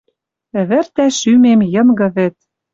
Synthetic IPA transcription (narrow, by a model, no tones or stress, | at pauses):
ɘ̆βɘ̆rt̪æʃymemjɤ̆mɡɤ̆βɘ̆t̪̚